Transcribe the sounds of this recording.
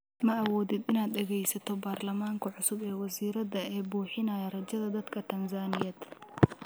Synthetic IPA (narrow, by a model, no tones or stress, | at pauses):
mɐʔɐwɔːðɪd̪ɪnaːd̪ɖɛɣɛjsɐt̪ʰɔbaːrlɐmaːŋkʰɐʕʊsʊbɛːwɐsiːɾɐðɐɛːbuːħɪnaːjɐrɐd͡ʒɐðɐd̪ɐd̪kʰɐt̪ʰɐnsaːnɪjɐd̪